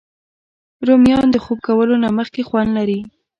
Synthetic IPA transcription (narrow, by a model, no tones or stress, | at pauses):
ɾomjɑnd̪əxob̚kawəlonaməxkexwand̪laɾi